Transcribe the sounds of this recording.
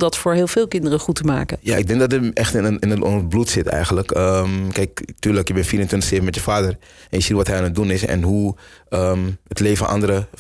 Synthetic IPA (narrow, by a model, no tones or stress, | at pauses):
dɑtfʊːɹɦɪːlˠvɪːlˠkɪndərəχutəma̰ːkəja̰ːʔɪɡ̚dɛŋɡdɑtəʔɛχtɪnəɪnətɔnblutsɪtɛ̰jχənləkəkɛjktyːɹləkjəbɛnfiːɾəntʋɪntəχsevəmɛtjəfaːdəɹ | ʔɛnjəsitʋɑtɦɛjaːnət̚dunɪsɛ̰nɦuəmətlejfənʔɑ̰ndəɾə